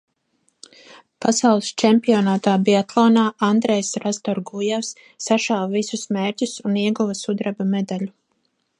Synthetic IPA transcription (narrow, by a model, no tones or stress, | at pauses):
pasawlˠist͡ʃɛmpiɔnaːt̪aːbiat̪ʰlˠɔːnaːʔand̪ɾɛjsɾast̪ɔɾɡujɛwsː | aʃawvisusmeːɾcʲusuniɛɡuvɐsud̪ɾabamed̪alu